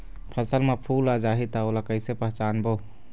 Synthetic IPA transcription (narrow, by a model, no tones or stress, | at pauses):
pʰɐsəlmapʰuːlad͡ʒaːɦit̪aolakəjsepɐɦt͡ʃaːnbo